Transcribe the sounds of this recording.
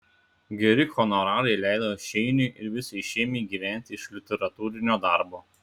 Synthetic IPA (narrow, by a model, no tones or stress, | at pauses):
ɡʲɛɾʲɪxɔnɔɾɑːlʲˠɐɪlʲæˑɪd̪ɐʃʲɛɪnʲʊʔɪɾʋʲɪsʲɐɪʃʲɛːmʲɛɪɡʲiːʋʲæˑnʲt̪ʲɪɪʃlʲɪt̪ʲɛɾɐt̪uːɾʲɪnʲoːd̪ɑˑɾboː